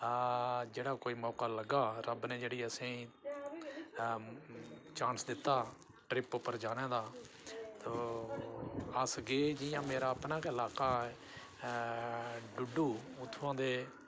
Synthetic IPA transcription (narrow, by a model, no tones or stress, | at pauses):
d͡ʒeːɽaːkoːiːmɔːkaːləɡaːɾəbnẽːd͡ʒeːɽiːəsĩː | t͡ʃãːnsd̪ɪt̪ːaː | ʈɾɪpʊpːəɾd͡ʒaːnẽːd̪aː | t̪oː | əsɡeːd͡ʒijãːmeːɾaːəpnaːkːɪlaːkaː | ɖʊɖuːʊt̪ʰːʋãːd̪eː